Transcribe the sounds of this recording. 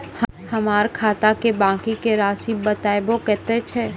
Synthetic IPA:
h | hɐmaːɾkʰaːt̪akebãːkikeɾaːsiːɐt̪aːjbokɛːt̪et͡ʃʰɛː

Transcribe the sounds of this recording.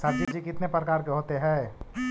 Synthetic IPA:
saɾd͡ʒid͡ʒikɪt̪nepɾəkaːɾkeɦoːt̪eɦɛ̃ː

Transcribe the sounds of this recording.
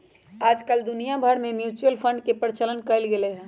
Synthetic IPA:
aːd͡ʒkəld̪ʊnijabʱəɽmẽmjuːt͡ʃuəlpʰə̃ɳɖkepəɾɪt͡ʃələnkəəlɡeleɦɛ̃ː

